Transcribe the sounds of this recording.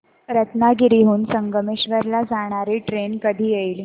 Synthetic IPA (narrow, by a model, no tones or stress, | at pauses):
ɾət̪naɡiɾiɦuːnsəŋɡəmeɕʋəɾlad͡zaɽ̃aɾiːʈɾenkəd̪ʱiːjeli